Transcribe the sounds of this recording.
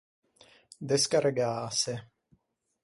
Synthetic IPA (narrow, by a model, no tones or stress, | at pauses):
d̪eskaɾeɡaːse